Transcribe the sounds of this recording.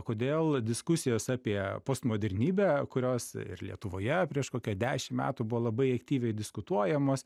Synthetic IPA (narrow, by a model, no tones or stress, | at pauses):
koːd̪ʲeːlˠd̪ʲɪskʊsʲɪjoːsɑːpʲiɛpoːst̪moːd̪ʲɛɾʲnʲiːbʲæːkʊɾʲoːsɪ̰ɾlʲiɛt̪ʊʋoːjɛpʲɾʲiɛʃkoːkʲuɛd̪ʲæːʃʲɪmmʲæ̰ːt̪ʊbʊʋoːlˠɐbɐɪɐkt̪ʲiːʋʲɛɪd̪ʲɪskʊt̪uɔjɛmoːs